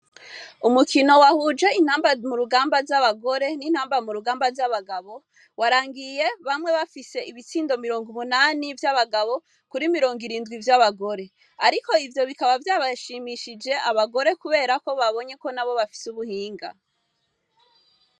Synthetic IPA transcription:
umukʰino̞wahuːd͡ʒe̞in̥haːmbamuɾuɡaːmbaɾzaβaɡo̞ɾe̞nin̥haːmbamuɾuɡaːmbaɾzaβaɡaβo̞ | waɾaːŋɡije̞βamŋe̞βafise̞ʔiβit͡siːndo̞miɾo̞ːŋɡumunanivjaβaɡaβo̞ | kuɾimiɾo̞ːŋɡiɾiːndɡwivjaβaɡo̞ɾe̞ | aɾiko̞ivjo̞βikaβavjaːβaʃiːmiʃid͡ʒe̞aβaɡo̞ɾe̞kuβe̞ːɾako̞βaβo̞ɲe̞ko̞naβo̞βafi̥suβuhiːŋɡa̰

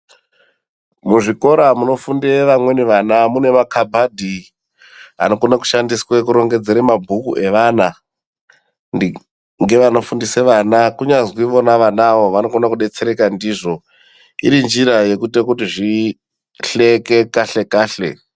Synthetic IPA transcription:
muʐiko̞ɾamuno̞fundeʋamwe̞neʋanamune̞makʰabʱadʱi | a̰no̞konaku̥ʃandiswek̬uɾo̞ŋɡe̞d͡ze̞ɾemabʱukuʔe̞ʋana | ŋɡe̞ʋano̞fundiseʋanakuɲazwiʋo̞naʋanaʋo̞ʋano̞konakuɗe̞t͡se̞ɾe̞kandiːʐo̞ | iɾind͡ʒiɾaje̞kutekutiʐi | ɬeke̞kaɬe̞kaːɬe̞̰

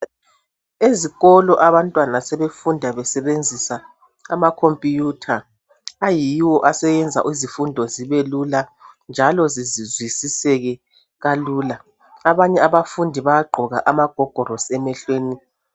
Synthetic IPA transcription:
eziɣɔlɔʔaβantʼwanasɛβefundʱaβɛsɛβend͡zʱisa | amakʰompʼijutʰaː | jiwɔʔasɛjɛnd͡zʱa̰ʔizifundʱɔziβeluland͡ʒʱalɔzizizwisisɛɣɛ | ɣaluːla | aβaɲɛaβafundʱiβajaɡ͡ǃʱɔɣaʔamaɡ̥ʱɔɡ̥ʱɔrɔsɛmɛɬweːni

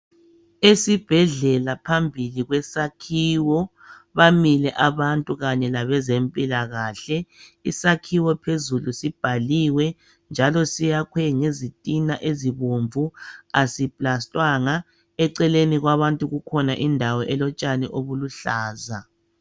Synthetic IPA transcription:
esib̥ʱɛɮɛlapʰambʱiliɣwɛsakʰiːwɔ | βamilɛʔaβantʼuɣaɲɛlaβɛzempʼilaɣaːɬɛisakʰiwɔpʰezulusib̥ʱaliwɛ | nd͡ʒʱalɔsijakʰwɛŋezitʼinaʔeziβoɱvuasipʼlastʼwaŋa | ɛǀɛleniɣwaβantʼuɣukʰɔnaʔindʱawɔʔɛlɔt͡ʃʼaniʔoβuluɬaːza

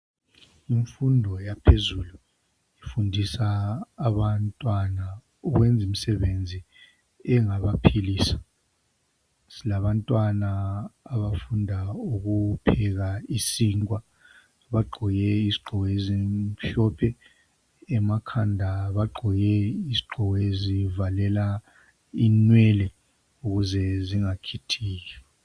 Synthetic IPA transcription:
iɱfundʱɔjapʰezulu | ifundʱisaːβantʼwana | ɔɣwɛnd͡zʱimisɛβend͡zʱi | ɛŋaβapʰiliːsḁ | silaβantʼwanaːβafundʱauɣupʰɛɣaisiːŋwa | βaɡ͡ǃʱɔjɛiziɡ͡ǃʱɔɣɔeziɬɔpʰɛː | makʰandʱaβaɡ͡ǃʱɔjɛiziɡ͡ǃʱɔɣezivalɛla | inwɛlɛ | uɣuzɛziŋakʰitʰiːɣɛ

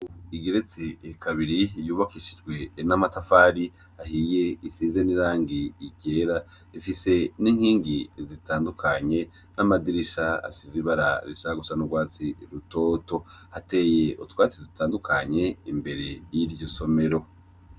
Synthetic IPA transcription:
iɡeɾet͡sekʰaβiɾijuːβakiʃid͡ʒɡwe̞namatafaːɾi | hahije̞isizeniɾaːŋɡiːɟe̞ːɾa | ifise̞niŋ̥hiːŋɡizitʰaːndukʰaɲe̞ | namadiɾiʃaa̰siziβaɾa̰ɾiʃaɡusanuɡwaːt͡siɾuto̞to̞hate̞je̞utwaːt͡sizitaːndukʰaɲe̞imbe̞ɾe̞jiɾɟoso̞me̞ɾo̞

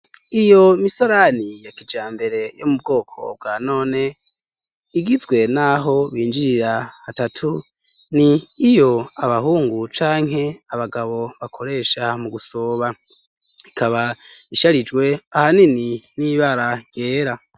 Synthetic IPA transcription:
ijo̞misaɾanijakid͡ʒaːmbe̞ɾe̞jomub̚ɡo̞ːkʰo̞̰b̚ɡaːno̞ːne̞ | iɡizɡwe̞naɦo̞βiːnd͡ʒiɾiɾaatatʰu | niːjo̞aβaɦuːŋɡut͡ʃaːŋ̥he̞aβaɡaβo̞βakʰo̞ɾe̞ːʃamuɡuso̞ːβa | ikʰaβaiʃaɾid͡ʒɡwe̞ahanininiβaɾajeːɾa

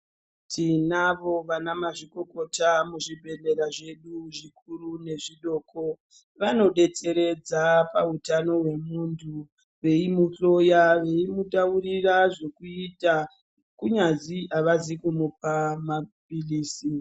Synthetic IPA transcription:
tʰinaʋo̞ʋanamaʐiko̞ko̞tamuʐibʱe̞le̞ɾaʐe̞ɗuʐik̚ʰuɾune̞ʐiɗo̞ːkʰo̞ | ʋano̞ɗe̞t͡se̞ɾe̞d͡zapautano̞ɦwe̞muntʰu | ʋe̞imuɬo̞jaʋe̞imuɗauriraʐe̞kuita | kuɲad͡ziaʋazikumupamapiliːsi

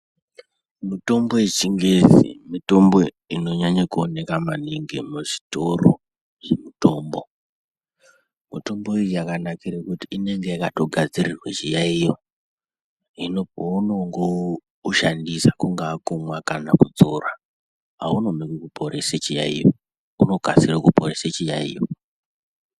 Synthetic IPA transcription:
mito̞mbo̞et͡ʃiŋɡezḭmito̞mbo̞ | ino̞ɲaɲakuone̞kamaniŋɡemuʐitoro̰ | ʐemito̞ːmbo̞ | mito̞mbo̞ijujakanakiɾekutiine̞ŋɡe̞jakato̞ɡʱad͡zirirwat͡ʃijaijo | ino̞pounoŋɡo | uʃandisakuŋɡaːkumwakanakud͡zora | ɦauno̞mekekupʰo̞ɾeset͡ʃija̰ḭjo | uno̞ka̰sirakupoɾeset͡ʃijaḭːjo

